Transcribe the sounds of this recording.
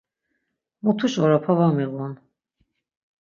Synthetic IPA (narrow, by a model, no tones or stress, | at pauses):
mut̪ʰuʃɔɾapʰavamiɣɔn